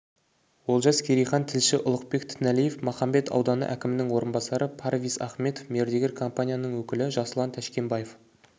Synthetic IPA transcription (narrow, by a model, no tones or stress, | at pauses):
wo̞lˠʒɑzkʲʰeɾijχɑnt̪ʰɪlʃɪʔʊlˠəq̚be̞kt̪ʰɪnælije̞fmɑχɑmbe̞t̪ʰɑ̰wd̪ɑnə̰ʔæ̰kʲɪmɪnɪŋwo̞ɾənbɑsɑɾəpʰɑɾvijsɑ̰χme̞t̪ofme̞ɾd̪e̞ɡʲeɾkʰo̞mpanʲijanəɴwɵkʲɪlɪʒɑsəlˠɑnt̪ʰæʃkʲe̞mbɑje̞f